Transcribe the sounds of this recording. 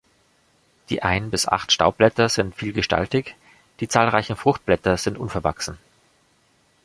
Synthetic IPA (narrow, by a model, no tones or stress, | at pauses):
d̥ḭːʔaɪnbɪsʔa̰χtʃta̰ʊb̥lɛtɐz̥ɪntfiːlɡəʃta̰ltɪç | d̥iːt͡saːlʁaɪçn̩fʁ̥ʊxt̚b̥lɛtɐz̥ɪntʔʊnfɛɐva̰ksn̩